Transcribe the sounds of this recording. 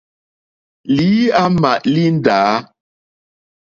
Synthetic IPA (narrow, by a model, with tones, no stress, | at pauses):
li˨˦a˦ma˨ʔli˦n̩˦daː˨˦